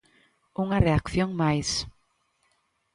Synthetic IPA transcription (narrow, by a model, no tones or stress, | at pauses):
uŋareakθjoŋmajs